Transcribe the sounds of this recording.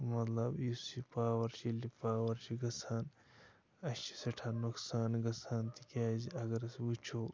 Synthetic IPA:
mɐt̪lɐbisipaːwɐɾt͡ʃʰilipaːwɐɾt͡ʃʰiɡɐsaːn | ɐt͡ʃʰi̥sɐʈʰaːnuksaːnɡɐsaːnt̪ikaːziɐɡɐɾɐsbut͡ʃʰoː

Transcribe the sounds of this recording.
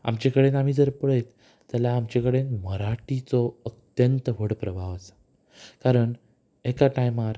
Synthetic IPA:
a̰mt͡ɕekəɽenam̤iːd͡zəɾpəɭəjt̪ː | alaːmt͡ɕekəɽenməɾaʈit͡sɔət̪jənt̪əʋəɽpɾəbʱaʋət͡s | kaɾəɳ | ekaʈajmaɾ

